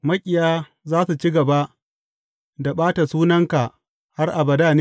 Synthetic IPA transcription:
mɐ˦kʲʼɪ˨jaː˦ | zaː˦su˨t͡ʃi˦ɡɐ˨ba˦ʔ | da˨ɓaː˦ta˨suː˦nɐ˦ŋka˨ʔ | ha˦rʔa˨bɐ˨daː˦˨ne˦

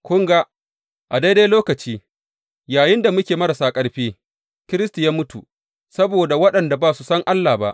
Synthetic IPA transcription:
kʷʊ˦ŋɡa˦ | ʔa˨da˦jda˦loː˦kɐ˨t͡ʃiː˦ | jaː˨jɪ˦nda˨mʊ˦kʲeː˨mɐ˦ɾɐ˨saː˦kʼɐ˦ɽɸeː˦ | kʲɪ˦ɾɪ˦sti˨jaː˦mʊ˦tu˨ | sɐ˦boː˨da˨wɐ˦ɗɐ˨nda˨baː˦su˨sɐ˦ŋʔa˦lːaː˨ba˦ʔ

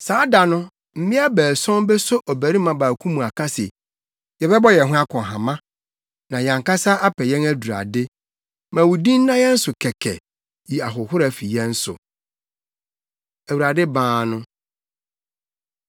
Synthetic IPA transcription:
saː˨˦da˨nʊ̃˦ | m̩˨mɪ̃˦a˦bæː˨sɔ̃˦mbɛ˦sʊ˦ʔɔ˨bæ˨ɾi˦mã˨baː˨kʰũ˦mũ˨a˨kʰa˦sɪ˨ | jɛ˨bɛ˦bɔ˦jɛ˨ɦʊ̃˦a˦kʰɔ̃˨ɦã˨mã˦ | nã˨ɲã˨ŋka˦sa˦ʔa˦pʰɛ˨jɛ̃˦næ˦du˨ɾa̰˨dɪ˦ | mã˨wu˨dĩ˦n̩˦nːã˦jɛ˦n̩˦sʊ˨kʰɛ˨kʰɛ̰˨ | ji˨a˨ɦʊ˨hʊ˦ɾæ˨fi˨jɛ̃˦n̩˦sʊ̰˨ | æ˨wu˨ɾa˨dɪ˦bãː˦˨nʊ̃˦

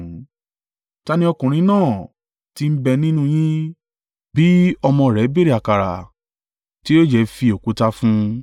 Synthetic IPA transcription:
ta˧nĩ˦ɔ˧kũ˨ɾ̃ĩ˧˦nãː˦˨ | ti˦m̩˦bɛ˧nĩ˦nũ˦j̃ĩ˦ | bi˨˦ɔ˧mɔ̃˧˨ɾɛ˨˦be˦ɾi˨a˨ka˨ɾa̰˨ | ti˦o˦d͡ʒɛ˧˦fi˧o˨ku˨˦ta˧fũ˦

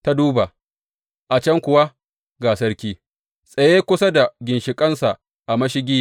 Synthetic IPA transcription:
ta˦duː˦ba˨ | ʔa˨t͡ʃɐ˦ŋkʷʊ˨wa˦ | ɡaː˨sɐ˦ɾkʲiː˦ | sʼɐ˨jeː˦kʷʊ˦sa˦da˨ɡʲɪ˨nʃɪ˨kʼɐ˦nsa˨ | ʔa˨mɐ˦ʃɪ˦ɡʲiː˦˨

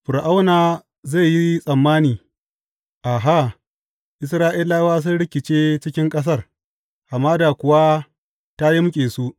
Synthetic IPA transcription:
ɸʊ˨ɾʔa˦wnaː˨ | za˦˨ji˦sʼɐ˨mːaː˦niː˨ | ʔa˨ɦa˦˨ | ʔɪ˨s̬ɾaː˦ʔi˦laː˦waː˦s̬ʊ˦nɽɪ˦kʲɪ˨t͡ʃeː˦t͡ʃɪ˦kʲɪ˦ŋkʼɐ˦s̬ɐ˦˨r | ʔa˨mːaː˦da˨kʷʊ˨wa˦ | ta˦ji˦mʊ˦kʲʼeː˨su˦ʔ

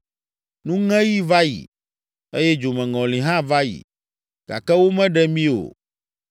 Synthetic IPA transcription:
nũ˦ŋɛ̃˦ji˦va˦jḭ˨ | e˦jɛ˦d͡ʒo˨mɛ̃˨ŋɔ̃˨lĩ˨ɦã˦va˦jḭ˨ | ɡ̥a̰˨kɛ˦wo˦mɛ̃˦ɖɛ˦mĩ˦o̰˨

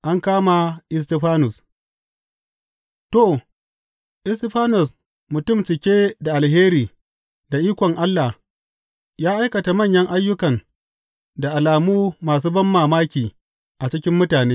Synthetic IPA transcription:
ʔa˦ŋkaː˦ma˨ʔɪ˦s̬tɪ˦ɸaː˦nʊ˨s | to˦˨ | ʔɪ˦stɪ˦ɸaː˦nʊ˨s | mʊ˨tʊ˦˨mt͡ʃɪ˨kʲeː˦da˨ʔa˨lɦeː˦ɾiː˨ | da˨ʔiː˦kʷɔ˨ŋʔa˦lːa˨ | jaː˦ʔa˦jkɐ˨ta˨mɐ˦˨ɲjɐ˦ŋʔa˦jːʊ˦kɐ˨n | da˨ʔa˨laː˨muː˦maː˨s̬uː˦bɐ˦mːaː˨maː˦kʲiː˨ | ʔa˨t͡ʃɪ˦kʲɪ˦mːʊ˦taː˨neː˦

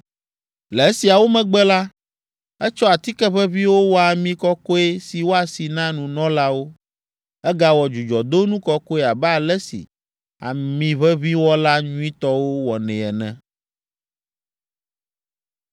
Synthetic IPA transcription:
lɛ˨e˦si˨a˨wo˦mɛ̃˨ɡ͡bɛ˦la˦ | ɛ˦t͡ʃɔ˦a˨t̪i˦kɛ˦βɛ˦βi˦wo˦wɔ˦a˨mĩ˦kɔ˦kɔ˦e˦si˨wo˦a˨si˨nã˦nũ˨nɔ̃˦la˦wo˦ | ɛ˦ɡa˦wɔ˨d͡ʒu˨d͡ʒɔ˨d̪o˦nũ˦kɔ˦ko˦e˦a˨bɛ˦a˨lɛ˦sḭ˨ | a̰˨mĩ˨βɛ˦βi˦wɔ˦la˦ɲũ˦ĩ˦t̪ɔ˦wo˦wɔ˨nɛ̃˨ɛ˨nɛ̰̃˦

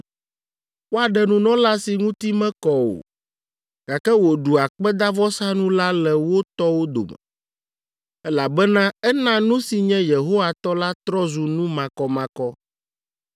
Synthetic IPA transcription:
wo˦a˨ɖɛ˨nũ˨nɔ̃˦la˦si˨ŋũ˦t̪i˦mɛ̃˦kɔ˨wo̰˨ | ɡ̥a˨kɛ˦wo˨ɖu˨a˨k͡pɛ˦d̪a˦vɔ˦sa˦nũ˦la˦lɛ˨wo˦t̪ɔ˦wo˦d̪o̰˨mɛ̰˨ | ɛ˦la˨bɛ˦nã˦ɛ˦nã˦nũ˦si˨ɲɛ̃˦je˨ɦo˦wa˨t̪ɔ˦la˦t̪ɾɔ˦zu˨nũ˦mã˨kɔ˨mã˨kɔ˦

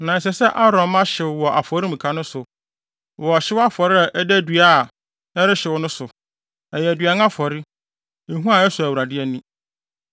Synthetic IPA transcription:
nã˨ɛ˨sɛ˨sɛ˦ʔa˦ɾɔ̃˨ma˦ɕɪ˨wɔ˨ʔa˨fɔ˨˦ɾi˦m̩̃˨kʰa˦nʊ̃˦sʊ˨ | wɔ˨ɕɪ˦wa˦fɔ˨ɾɪ˦a˨ʔɛ˦dɛ˦dɥa˦˨ | ɛ˦ɾɪ˦ɕɪ˨wʊ˦nʊ̃˦sʊ˨ | ɛ˨jɛ˨æ˨dɥa˨ŋ˦a˦fɔ˨ɾɪ˦ | e˨ɦũ˦a˨˦ɛ˦sʊ˨æ˨wu˨ɾa˨dɪ˦ɛ˦nĩ˦

